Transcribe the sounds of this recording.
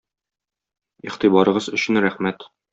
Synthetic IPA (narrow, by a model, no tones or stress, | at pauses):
iχt̪ibɒɾɤ̆ʁɤzɵ̆ɕɘnɾæχmæt̪